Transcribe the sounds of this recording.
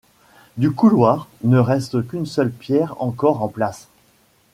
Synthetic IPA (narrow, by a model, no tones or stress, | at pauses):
d̪ykulwaːʁnəʁɛst̪kynsœlpjɛʁɑ̰̃kɔʁɑ̃plas